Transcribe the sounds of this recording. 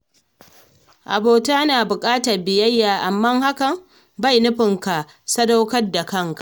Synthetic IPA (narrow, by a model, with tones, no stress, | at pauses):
ʔa̰˨boː˨ta˦a˦naː˨bʊ˨kʼaː˦ta˨rbɪ˨jɐ˦jːaː˨ʔa˨mːɐ˦ŋha˦kɐ˨m | ba˦˨jnʊ˦ɸɪ˨ŋka˨ | sɐ˦da˦wkɐ˦rda˨kɐ˦ŋkḁ˨ʔ